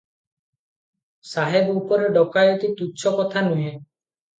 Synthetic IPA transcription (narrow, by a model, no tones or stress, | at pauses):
saɦebɔupɔɾeɖɔkajɔt̪it̪uːt͡ʃʰɔkɔt̪ʰanuɦẽ